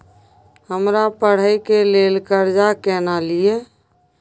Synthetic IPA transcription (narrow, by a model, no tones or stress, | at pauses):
həmɾapəɽ̤əjkelelkəɾd͡ʒakɛnalie